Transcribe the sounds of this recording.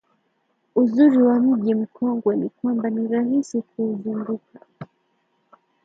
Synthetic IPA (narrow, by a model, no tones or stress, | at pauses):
uzuɾiwam̩ʄim̩kʰɔŋɡwɛnikwambaniɾahisikuːzuŋɡuka